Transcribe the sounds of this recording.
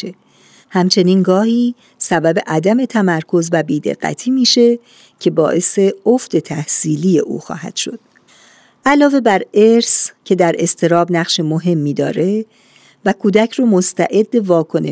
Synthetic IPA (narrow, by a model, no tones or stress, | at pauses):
e | hæmt͡ʃʰe̞niːnɡɒːhiː | sæbæbe̞ʔæd̪æme̞t̪ʰæmæɾkʰo̞zvæbiːd̪e̞̰ɢ̥ːæ̰t̪ʰiːmiːʃe̞ | cʰe̞bɒːʔe̞se̞ofd̪̥et̪ʰæhsiːliːje̞ʔṵːxɒ̰ːhæ̰d̪̥ʃo̞d̪̥ | ʔælɒːve̞bæɾe̞ɾscʰe̞d̪æɾʔe̞st̪ʰe̞ɾɒːbnæɣʃemo̞ɦe̞mːiːd̪ɒ̰ːɾe̞ | vækʰuːd̪æcʰromo̞st̪ʰæʔe̞d̪ːevɒːkʰo̞ne